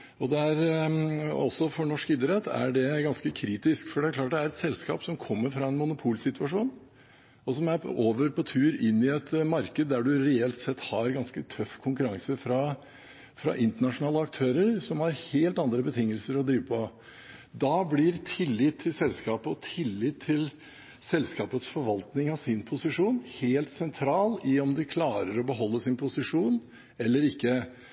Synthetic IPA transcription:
ɔd̪ɛæɾ | ɔsːɔfɔɳɔʂkɪːd̪əɾɛt̪ʰːæ̰ɖɛɡɑnskəkʰɾiːt̪ɪskfɔɖɛæklɑːʈ̚d̪ɛæɾɛt̪sɛlskɑ̰ːpsɔmkʰɔmːəɾfɾɑɛnmʊnʊpʰuːlsɪt̪ʰʉɑʂuːn | ɔsɔmæɾoːʋəɾpʰɔt̪ʰʉːɾɪnːɪɛt̪mɑɾkəd̪d̪æɖʉɾɛɛlt̪sɛt̪ːhɑɾɡɑnskət̪ʰœfːkʰʊŋkʉɾɑŋsəfɾɑ | fɾɑ̰ʔɪnt̪əɳɑʂʊnɑːləɑk̚t̪ʰøːɾəɾsɔmhɑɾheːlt̪ɑnd̪ɾəbət̪ʰɪŋːəlsəɾɔd̪ɾiːʋəpʰɔ | d̪ɑblɪɾt̪ʰɪlːɪt̪ʰːɪlsɛlskɑːpəɔt̪ʰɪlːɪt̪ʰːɪl | sɛlskɑːpət̪sfɔɾʋɑlt̪nɪŋɑʋsɪnpʰʊsɪʂuːnheːlt̪sɛnt̪ʰɾɑːlɪɔmd̪ɪkʰlɑːɾəɾɔbəɦɔlːəsɪnpʰʊsɪʂuːn | ɛlːəɾɪkːə

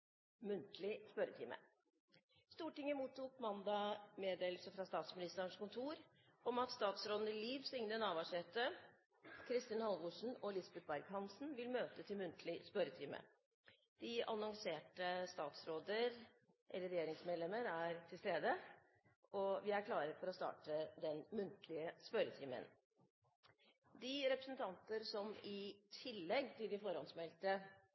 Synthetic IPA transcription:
mʉnt̪lɪspœɾət̪ʰḭːmə̰ | st̪uːʈɪŋːəmuːt̪ʰːuːkmɑnd̪ɑmeːd̪eːlsəfɾɑst̪ɑːt̪smɪnɪst̪əɾəɳʂkʊnt̪ʰuːɾ | ɔmɑt̪st̪ɑːt̪sɾoːd̪n̩əɪliːʋsʏŋnənɑːʋɑʂɛːt̪ə | kʰɾɪst̪ɪːnhɑlʋʊʂn̩ɔlɪsbɛt̪̚bæɾɡhɑnsn̩ʋɪlmøːt̪ət̪ʰɪlmʉnt̪ʰlɪspœɾət̪ʰiːmə̰ | d̪̥ɪɑnɔŋseːʈəst̪ɑːt̪sɾoːd̪əɾ | ʔɛ̰lːəɾɛjeːɾɪŋsmeːd̪lɛməɾæɾt̪ʰɪlst̪eːd̪ə | ɔʋɪæɾkʰlɑːɾəɾfɔɾɔst̪ɑ̰ːʈəd̪ɛnmʉnt̪ʰlɪəspœɾət̪ʰiːmə̰n | d̪ɪɾɛpɾəsən̩t̪ʰɑnt̪əɾsɔmɪt̪ʰɪlːɛɡt̪ʰɪld̪ɪfɔɾhɑnsmɛlt̪ə

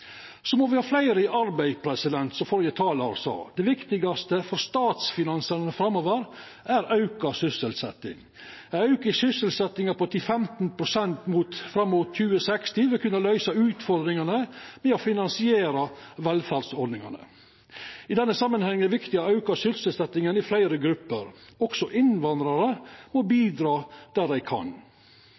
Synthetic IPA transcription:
sɔmoːʋɪhɑːflæɪɾəʔɑɾbæɪpʰɾɛsɪd̪ɛnt̪sɔfɔɾjət̪ʰɑːlɑ̰ɾsɑ̰ːd̪ɛʋɪkt̪ɪɡɑst̪əfɔɾst̪ɑːt̪sfɪnɑnsɑɾnəfɾɑmːoːʋəɾ | ʔæɾɑʉkɑsʏsəlsɛt̪ːɪ̰ŋ | ɑʉkəsʏsəlsɛt̪ɪŋɑpɔt̪ʰɪfɛmt̪npʰɾʊsɛnt̪muːt̪fɾɑmːuːt̪çʉːəsɛkst̪ɪʋɪkʰʉnːɑlœʏsɑʉːt̪fɔɾd̪ɾɪŋɑnəmɛɔfɪnɑnsɪeːɾɑʋɛlfæɾsɔɖnɪŋɑ̰nə̰ | ɪd̪ɛnːəsɑmːənhɛŋːəʋɪkt̪ɪɑɑʉkɑsʏlsəlsɛt̪ɪŋənɪflæɪɾəɡɾʉpːəɾɔksɔʔɪnʋɑnd̪ɾɑɾəmɔbiːd̪ɾɑːd̪̥æɖ̪æɪkʰɑ̰n

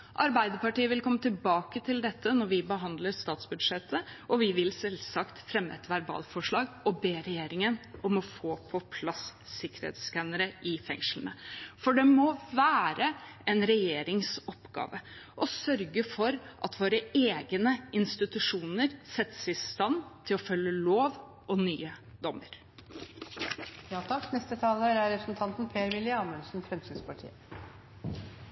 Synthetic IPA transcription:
ʔɑɾbæɪd̪əpɑʈiːəʋɪlkʰɔmːət̪ɪlbɑːkət̪ʰɪld̪ɛt̪ʰːənɔɾʋɪbəɦɑnd̪ləɾst̪ɑːt̪sbʉd̪ʂɛt̪ʰːəʔɔʋɪʋɪlsɛlsɑkt̪fɾɛmːəɛt̪ʋæɾbɑ̰ːlfɔʂɭɑːɡɔbeːɾɛjeːɾɪŋənʔɔmɔfoːpʰɔpʰlɑssːɪkːəɾhḛt̪skænəɾəʔɪfɛ̰ŋʂl̩nə̰fɔɖɛmɔʋæːɾəɛnɾɛjeːɾɪŋsɔpɡɑ̰ːʋəʔɔsœɾɡəfɔɾʔɑt̪ʰʋoːɾəeːɡənəɪnst̪ɪt̪ʉʂuːnəɾsɛt̪ːsɪst̪ɑnt̪ʰɪlɔfœlːəloːʋ | ʔɔny̰ːəd̪ɔməɾ | jɑːt̪ʰɑknɛst̪ət̪ʰɑːləəɾæɾɛpɾəsn̩t̪ʰɑnt̪n̩pʰeːɾʋɪlɪɑːməlsn̩fɾɛmt̪ʰyːd̪spʰɑʈʰḭːə

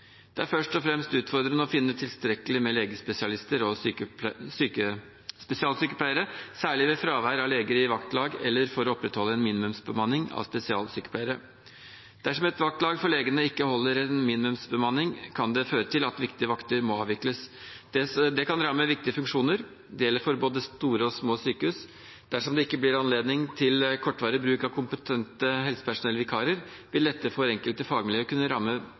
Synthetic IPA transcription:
d̪̥ɛæɾfœʂʈɔfɾɛmst̪ʉːt̪fɔɾd̪ɾənəɔfɪnːət̪ʰɪlst̪ɾɛkːəlɪmɛleːɡəspɛsɪɑlɪst̪əɾɔ | syːkə | spɛsɪɑːlsyːkəpʰlæɪəɾəsæːɭɪʋɛfɾɑːʋæɾɾɑleːɡəɾɪʋɑkt̪lɑːɡɛlːəɾfɔɾɔɔpːɾɛt̪hɔlːəɛnmiːnɪmʉmsbəmɑnːɪŋɑ̰ʋspɛsɪɑ̰ːlsyːkə̥p̪ʰæɪəɾə | d̪̥æʂɔmɛt̪ʋɑk̚t̪lɑːɡfɔɭeːɡənəɪkːəhɔlːəɾɛnmiːnɪmʉmsbəmɑnːɪŋkʰɑnd̪ɛføːɾət̪ʰɪlɑt̪ʋɪkt̪ɪəʋɑkt̪əɾmɔɑːʋɪkləsd̪̥ɛd̪ɛkɑnɾɑmːəʋɪk̚t̪ɪəfʉŋkʂuːnəɾ | d̪ɛjɛlːəɾfɔɾboːd̪əst̪uːɾəɔsmoːsyːkəʉs | d̪̥æʂɔmd̪ɛɪkːəblɪɾɑnleːd̪nɪŋt̪ʰɪlkʰɔʈːʋɑːɾəbɾʉːkɑʋkʰʊmpət̪ʰɛnt̪əɦɛlsə̥pæʂʊnɛlːəʋɪkʰɑːɾəɾ | ʋɪld̪ɛt̪ːəfɔɾɛŋkəlt̪əfɑːɡmɪljøːkʉnːəɾɑmːə

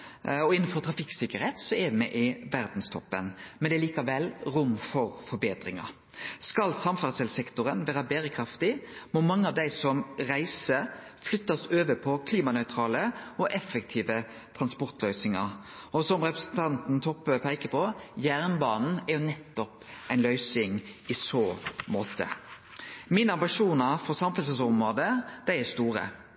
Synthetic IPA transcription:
ɔɪnfɔɾt̪ɾɑfɪksɪkːəɾheːt̪sɔɛd̪mɛʔɪʋæɾd̪n̩st̪ʰɔpːə̰nmɛnd̪ɛɾliːkɑʋɛlɾʊmfɔɾfɔɾbeːt̪ɾɪŋɑ̰ | skɑlsɑmfæʁsɛlsɛkt̪ʊɾənʋæːɾɑbæːɾəkʰɾɑft̪ɪmɔmɑŋːəɑʋd̪æɪsɔmɾæɪsə | flʏt̪ːɑsøːʋəpʰɔkʰliːmɑnœʏt̪ʰɾɑːləɔʔɛfəkt̪ʰiːʋə | t̪ʰɾɑnspɔʁt̪lœʏsɪŋɑ̰ɾ | ɔsɔmʁɛpʁəsn̩t̪ʰɑnt̪n̩t̪ʰɔpːøpʰæɪkəpʰɔjæːʁnbɑːnn̩æɾjʊnɛt̪ːɔpæɪnlœʏsɪŋɪsoːmoːt̪ʰə̰ | mɪnɑmbɪʂuːnɑfɔʁsɑmfɛlsɛlsɔmʁoːd̪əd̪̥æɪæst̪uːʁə̰

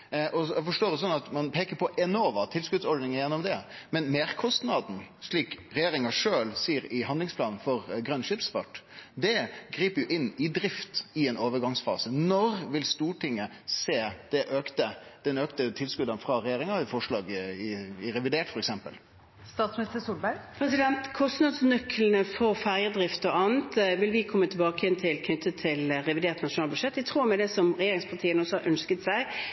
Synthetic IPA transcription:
ʔɔæfɔʂʈoːd̪əs̬ɔnːɑt̪mɑnpʰeːkəpʰɔʔɛnɔʋɑt̪ʰɪlskʉd̪sɔɖnɪŋəjɛnːɔmd̪ɛmɛnmeːɾkʰɔst̪nɑd̪n̩ʂɭiːkɾɛjeːɾɪŋɑʂøːlsiːɾɪɦɑnd̪lɪŋspʰlɑːnn̩fɔɾɡɾœnʂɪpsfɑʈd̪ɛɡɾiːpəɾjʊʔɪnːɪd̪ɾɪft̪ɪɛnoːʋəɾɡɑŋsfɑ̰ːsənɔɾʋɪlst̪uːʈʰɪŋːə | seːd̪̥ɛʔøːkt̪əd̪̥ɛnøːkt̪ət̪ʰɪlskʉd̪ɑnfɾɑɾɛjeːɾɪŋɑɪfɔʂɭɑːɡɪɪɾɛʋɪd̪eːʈfɔɾɛksɛmpəl | st̪ɑːt̪smnɪst̪əsuːlbæɾpʰɾɛsɪd̪ɛnt̪kʰɔst̪nɑd̪snœkʰːlən̩əfɔʁfæʁjəd̪ʁɪft̪ɔʔɑːnt̪ʋɪlʋɪkʰɔmːət̪ʰɪbɑːkəhɛnt̪ʰɪlkʰnʏt̪ːət̪ʰɪlɾɛʋɪd̪eːʁt̪nɑʂʊnɑlbʉʃɛt̪ːʋɪt̪ʰʁuːɾmɛd̪ɛsɔmʁɛjeːɾɪŋspʰɑʁt̪ʰiːənɔsɔhɑɾʔœnskət̪sæɪ

